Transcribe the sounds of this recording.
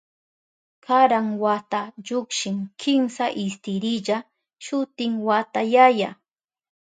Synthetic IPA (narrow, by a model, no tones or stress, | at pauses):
kʰaɾaŋwat̪aʎʊkʃɪŋkʰɪmsaʔɪst̪ɪɾɪʎa | ʃʊt̪ɪŋwat̪ajaja